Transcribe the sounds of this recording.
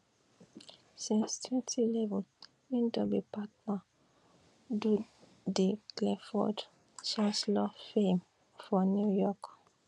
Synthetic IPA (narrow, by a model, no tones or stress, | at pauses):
sĩnstʰwɛ̃ntʰilɛvɛl | mĩndɔbipat̚na | du | deklɛfɔ̰d | t͡ʃãnslafẽm | fɔnjujɔk